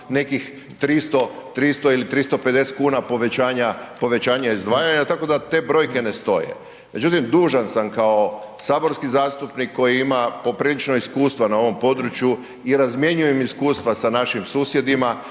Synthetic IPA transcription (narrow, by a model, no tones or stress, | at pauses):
ne̞kix | t̪ɾist̪ot̪ɾist̪oilit̪ɾist̪o̞pe̞d̪e̞se̥t̪kuːnapo̞ʋe̞t͡ɕaːɲapo̞ʋe̞t͡ɕaːɲaizd̪ʋaːjaɲat̪ako̞d̪at̪e̞bɾo̞jke̞ne̞st̪o̞̰jḛ | me̞d͡ʒut̪imd̪uːʒansamkao̞ | saːbo̞ɾskizaːst̪upnikːo̞jiimapo̞pɾiːlit͡ʃnoiskuːst̪ʋanao̞ʋo̞mpo̞d̪ɾut͡ʃju | iɾazmje̞ɲujemiskuːst̪ʋasanaʃimsuːsje̞d̪ima